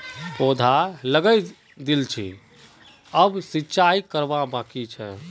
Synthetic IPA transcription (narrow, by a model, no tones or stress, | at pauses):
pod̪ʱaləɡəj | d̪ilt͡ʃʰḭ | əbsitːt͡ʃaikəɾbabãkit͡ʃʰɛ̰